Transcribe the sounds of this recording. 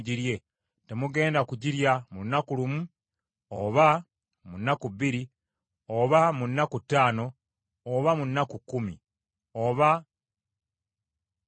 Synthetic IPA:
ɟiɾje̞ | te̞muɡe̞ːndakuɟiɾjamunːakulumu | oβa | munːakuβiɾi | oβamunːakutːaːno̞ː | βamunːakukːumi | oβa

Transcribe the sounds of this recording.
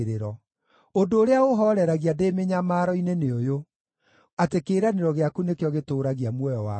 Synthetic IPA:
ɾeɾɔ | ondoːɾeaoɦɔɾɛɾaɣiademeɲamaːɾɔineneojo | atekeːɾaneɾɔɣeakunekjɔɣetoːɾaɣiamwɔjɔwa

